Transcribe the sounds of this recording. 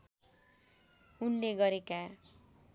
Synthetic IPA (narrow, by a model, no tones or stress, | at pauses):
unleɡʌɾeka